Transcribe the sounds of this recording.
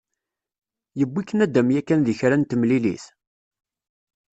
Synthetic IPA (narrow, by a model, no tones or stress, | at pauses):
jəbːikːənæd̪æmjækːænðiçɾænt̪əmlilḭθ